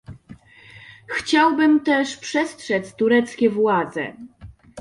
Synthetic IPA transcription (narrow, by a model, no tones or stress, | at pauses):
xt͡ɕawbɘmt̪ɛʂpʂɛstʂɛt̪st̪uɾɛt̪skʲɛvwad̪zɛ̰